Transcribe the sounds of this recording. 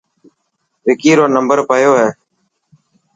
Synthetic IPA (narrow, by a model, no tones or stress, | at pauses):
ʋɪkiːɾoːnəmbəɾpəjoːɦɛː